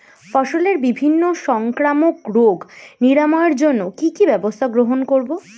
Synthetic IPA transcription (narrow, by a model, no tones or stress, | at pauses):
fɔʃoleɾbibʱinːoʃɔŋkɾamokɾoɡniɾamɔeɾd͡ʑonːokikibɛbost̪ʰaɡɾoɦonkoɾbo